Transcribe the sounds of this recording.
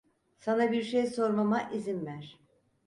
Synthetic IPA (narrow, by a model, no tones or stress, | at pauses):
sanabiɾʃejso̞ɾmamaʔizinvæɾ̥